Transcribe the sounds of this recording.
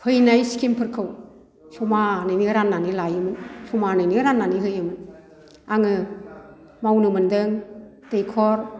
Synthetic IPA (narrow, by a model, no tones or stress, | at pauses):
hʰɯjnajsi̥kʰimpʰɯɾkʰɯw | sumanɯjniɾanːanilajɯmɯnsumanɯjniɾanːaniɦɯjɯmɯn | aŋɯ | mawnɯmɯndɯŋ | tejkʰɔɾ